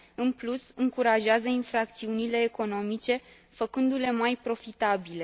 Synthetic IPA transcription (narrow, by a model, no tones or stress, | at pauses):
ɨnplusɨŋkuɾaʒeazəinfɾak̚t̪siunile̞ːko̞no̞mit͡ʃe̞ | fəkɨnd̪ule̞majpɾo̞fit̪abile̞